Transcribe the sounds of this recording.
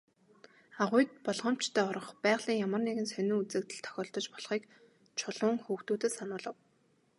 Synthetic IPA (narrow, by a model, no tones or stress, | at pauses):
aʁʊjt̪̚pɔɮʁɞ̆m̥t͡ɕt̪ʰæːɔɾɞ̆ɴχpæːʁɮ̥iːŋjamə̆rneɣɘ̆nsœnuːŋut͡sɘ̆k̚t̪ɘ̆ɮt̪ʰɔ̥xʲɔːɬt̪ɞ̆t͡ɕpɔɮχiːk | t͡ɕʰʊɮʊːŋxuːxt̪uːt̪ɘ̆sanʊːɮə̆w